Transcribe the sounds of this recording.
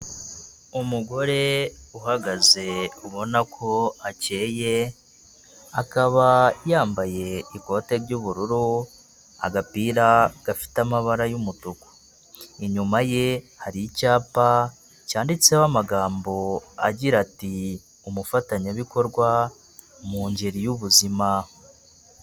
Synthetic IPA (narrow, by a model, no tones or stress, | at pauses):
umuɡo̞ɾe̞uɦaɡaze̞uβo̞nakʰo̞ace̞ːje̞ | akaβajaːmbaje̞iko̞ːte̞ɾɟuβuɾuɾu | a̰ɡapiːɾaɡ̥afi̥tamaβaɾajumutuku̥ | iɲumaje̞ | haɾiicaːpa | caːndit͡sewamaɡaːmbo̞a̰ɟiɾati | umufataɲaβiko̞ɾɡwa | muːɲɟeɾijuβuzima